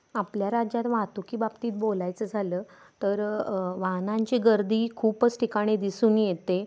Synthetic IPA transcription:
apljaɾad͡ʑat̪ʋãt̪ukiːbabt̪iːt̪̚bolajt͡səd͡zʱaləː | t̪əɾʋaɦnãɲt͡ɕiɡəɾd̪iːkʰuːpət͡sʈʰikaɽ̃id̪isuːnjet̪e

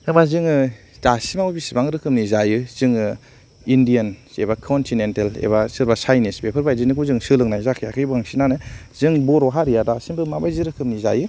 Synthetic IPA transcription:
ɯbazɯŋɯ | tasimawubisibaŋɾɯkʰɯmnizajɯz̥ɯŋɯ | indiansebakʰɔntʰinentelḛbasɯɾbasajnisbepʰɯɾbajzinikuzɯŋsɯlɯŋnajzakʰɯjakʰɯjbaŋsinanɯz̥ɯŋbɔɾɔɦaɾijadasimbɯmabajziɾɯkʰɯmniza̰jɯ

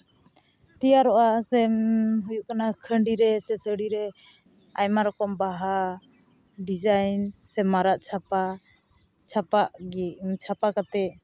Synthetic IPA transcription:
t̪ijaɾɔʔasɛmɦujuʔkanakʰəɳɖiɾɛsɛsəɽiɾɛ | ajmaɾɔkɔmbaɦa | ɖid͡ʒajnsɛmaɾaʔt͡ʃʰapa | t͡ʃʰapaʔt͡ʃʰapakat̪ɛʔ

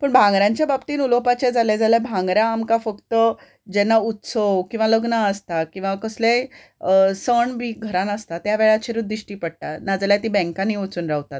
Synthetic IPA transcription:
pəɳbʱãŋɡɾjãɲt͡ɕjababt̪iːnulopat͡ɕed͡zaled͡zalabʱãŋɡɾãːmkafəkt̪ə | d͡ʑɛnːaut̪səwkĩʋaləɡnaəst̪akĩw̃ʋakəsle | səɳbʱiːɡʱəɾanəst̪at̪jaʋeɭat͡ɕʰeɾud̪iɕʈiːpəɽ̚ʈ̪anad͡zaljat̪iːbɛ̃ŋkãnːiʋət͡suːnɾaɦt̪at̪̚

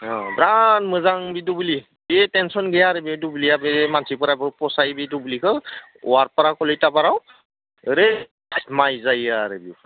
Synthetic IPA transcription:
ɔbɾanmɯzaŋbidubuli | betɛnsɔnɡɛjaɾebidubuliabemansipɔɾabɔpɔsajbidubulikʰɯ | ɔ̰aɹpɔɾakɔlɔjtabaɾaw | ɾe | majzajaɾebiu

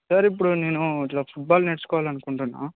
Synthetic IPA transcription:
sɐɾip̬ːuɽuneːnuɐʈlaːpʰuʈ̚baːlneʈsukɔːʋaːlɐnukuɳʈunːa̰

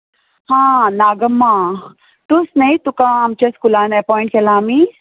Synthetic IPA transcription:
hãːnaːɡɐmːaː | ʈusnɐit̪ukãːɐmt͡ʃɐskulaːnɛpɔːĩɳʈkelaːmi

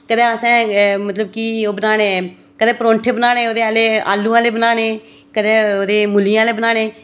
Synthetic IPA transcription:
kəd̪ɛ̃ːəsɛ̃ːmət̪ləb̚kiːoːbənaːnẽː | kəd̪eːpɾõːɳʈʰeːbənaːneːoːd̪eːaːleːa̰ːlːũːãːleːbənaːneː | kəd̪eːoːd̪eːmʊlijãːleːbənaːneː

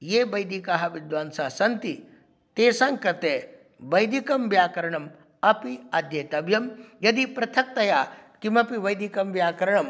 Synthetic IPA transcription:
jeːbɐjd̪ikaɦɐʋid̪ʋaːnsasɐnt̪i | t̪eːsaŋkɐt̪e | ʋɐjd̪ikɐmʋjaːkɐɾɐɳɐm | ɐpiɐd̪jɐt̪ɐbjɐmjɐd̪ipɾɐt̪ʰɐk̚t̪ɐjaːkimɐpiʋɐjd̪ikɐmʋjaːkɐɾɐɳɐm

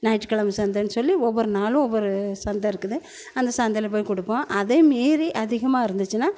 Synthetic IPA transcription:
nɐɪʈːkɐɭɐmɯsɐnd̪enːɯsɔlːiɔʋːɔɾɯnaːlʊ̃ɔʋːɔɾɯsɐnd̪ɐɪɾɯkːɯðɯ | ɐnd̪ɐsɐnd̪ɐlɐp̬oːjkɔɽɯpːõːʔɐðeːmaːɾiʔɐðɪɣɐmaːɪɾɯnd̪ɯt͡ʃːɯnaː

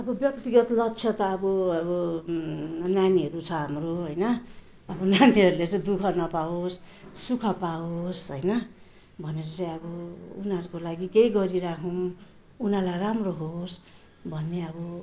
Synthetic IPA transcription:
ʌbʌbjʌkt̪iɡʌt̪lʌkt͡sʰʌt̪ʌʌbʌʌbʌ | naniɦʌɾut͡sʰʌɦamroɦʌjnʌ | ʌbʌnaniɦʌɾulet͡sʌj̃d̪ukʰʌnʌpaosː | ukʰʌpaosɦʌjnʌ | bʱʌneɾʌt͡sʌ̃j̃ʌbʌunʌɾukolaɡikejɡʌɾiɾakʰow̃ | unalajramroɦos | bʱʌnːeʌbʌ

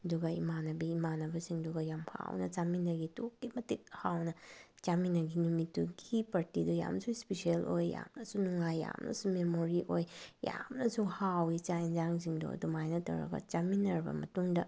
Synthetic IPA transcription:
ɐduɡɐḭmanɐbiːmanɐbɐsiŋduɡɐjampʰa̰wnɐ̰t͡ʃaminɐɡitokːimɐtik̚hawnɐ | t͡ʃaminɐɡinumitːuɡipaɾtidoja̰msuispesielojːa̰mnɐsunuŋajːa̰mnʔɐ̰sumemoɾiʔojja̰mnɐsuhawit͡ʃaind͡ʒaŋs̬iŋdo̰ɐ̰dumajnɐtɐ̰wɾɐ̰ɡɐ̰t͡ʃaminːɐɾbɐ̰mɐ̰tuŋdɐ

